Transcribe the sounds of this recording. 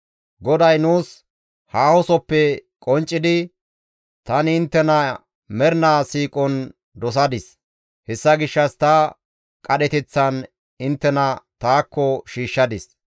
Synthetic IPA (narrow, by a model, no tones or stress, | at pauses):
ɡɔd̪ɐjnuːs | haːhɔsɔpːɛkʼɔnt͡ʃʼːɪd̪ɪ | t̪ɐnɪɪnt̪ːɛnɐ | mɛɾnaːsiːkʼɔn | d̪ɔs̬ɐd̪ɪs | hɛsːɐɡɪʃːɐst̪ɐ | kʼɐɗɛt̪ɛt͡sːɐn | ɪnt̪ːɛnɐt̪aːkːɔʃiːʃːɐd̪ɪs